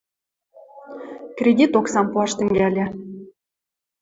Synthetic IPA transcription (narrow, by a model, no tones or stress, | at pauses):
krʲed̪ʲit̪oksɑmpuɑʃt̪ɘ̆ŋɡælʲĕ